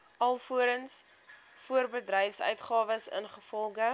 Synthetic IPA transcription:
ɐlˠfuəɾəns | fuərbədrɛjfsœ̰ɥtχɑːvəsə̰nχəfɔlˠχə

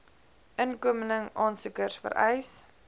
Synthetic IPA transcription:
ʔənkuəmənəŋʔɑːnsukərsfə̰ɾʔɛjs

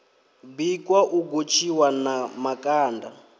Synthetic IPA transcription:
bikʼwaʔuɡot͡ʃʰiwanamakʼaːnda

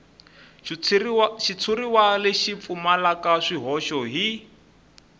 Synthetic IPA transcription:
ʃit͡sʰuɾiwaleʃip̪fumalakaʂiɦɔʃɔɦi

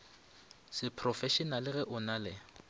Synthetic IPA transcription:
sɪpʰrɔfɛʃɔnalɪɣɛʔʊnalɛ

